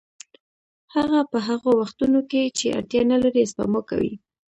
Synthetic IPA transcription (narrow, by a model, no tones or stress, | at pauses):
haɣapəɦaɣowaxt̪unoket͡ʃea̰ɾt̪jɑnalaɾispa̰moka̰wḭ